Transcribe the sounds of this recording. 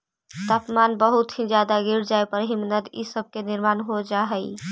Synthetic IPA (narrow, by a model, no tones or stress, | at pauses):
t̪apmanbəɦut̪ɦĩd͡ʒjad̪aɡiɾd͡ʒaepəɾɦimnəd̪ḭsəb̚keniɾmanɦod͡ʒaɦəj